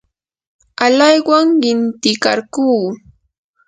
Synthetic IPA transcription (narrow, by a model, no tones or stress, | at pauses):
alajwaŋɢɪnt̪ɪkaɾkuː